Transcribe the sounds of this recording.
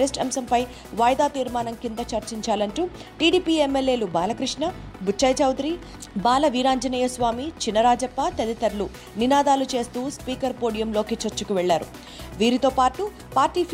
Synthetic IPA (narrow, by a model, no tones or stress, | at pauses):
ɾesʈɐmsɐmpɐj | ʋaːjd̪aːt̪iːɾmaːnɐmkind̪ɐt͡ʃɐɾt͡ʃiɲt͡ʃaːlɐɳʈuː | ʈiːɽiːpiːemːelːje̞ːlubaːlɐkɾiʂɳɐbut͡ʃʰːɐjt͡ʃɐwd̪ɾiː | baːlɐʋiːɾaːɲd͡ʒɐniːjɐsʋaːmit͡ʃinːɐɾaːd͡ʒɐpːɐt̪ɐd̪it̪ɐɾlu | ninaːd̪aːlut͡ʃe̞ːst̪uːspiːkɐɾpoːɽijɐmlo̞ːkit͡ʃɐɾt͡ʃːukuʋɛɭːaːɾṵ | ʋiːɾit̪o̞ːpaːʈu | paːɾʈiːpʰ